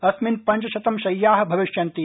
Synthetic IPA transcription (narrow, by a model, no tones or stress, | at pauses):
ɐsminpɐ̃ɲt͡ʃɐʃɐt̪ɐmʃɐjːaːɦbʱɐʋiʃjɐnt̪i